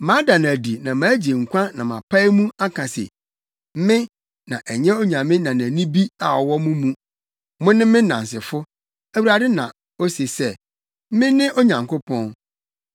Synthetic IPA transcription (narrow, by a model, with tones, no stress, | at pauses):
mã˨˦da˨ñ˨æ˨di˨nã˨mãː˨˦d͡ʑe˨ŋ̩˨kʷʰã˦nã̰˨mã̰˨pʰa˦ɪ˦mũ˦a˦kʰã˨sɪ̰˨ | m̩˦mɪ̃˦ | nã̰˨ʔɛ˨ɲɛ̃˦o˦ɲã˨mɪ̃˦nã˨næ˨nĩ˦bi˦a̰˨ɔ̰˨wɔ˦mʊ̃˦mũ˦ | mʊ̃˦nɪ̃˦mɪ̃˦nã̰˨n˨s̬ɪ˨fʊ˦ | æ˨wu˨ɾa˨dɪ˦nã̰˨ | o˦se˨sɛ˦ | mɪ̃˦nɪ̃˦ʔo˦ɲã˨ŋko˦pʰɔ̃˦n